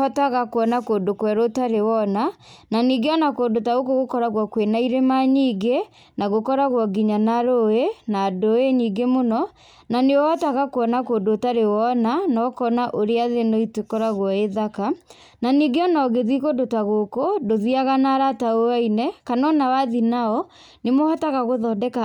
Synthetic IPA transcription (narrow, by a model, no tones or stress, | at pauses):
ɔtaɣakoɔnakodokwɛɾotaɾewɔnananiɡeɔnakondotaɣokoɣokɔɾaɣwɔkwenaiɾemaɲiːɡe | naɣokɔɾaɣwɔɡiɲanaɾoenadoeɲiːɡemonɔ | naneɔɔtaɣakoɔnakodotaɾewɔnanɔkɔnaʔoɾeaðenoitekɔɾaɣwɔeðaka | naniɡeɔnaɔɣeðikodotaɣokodoðiaɣanaɾataoainɛkanɔnawaðinaɔ | nemohɔtaɣaɣoðɔdɛka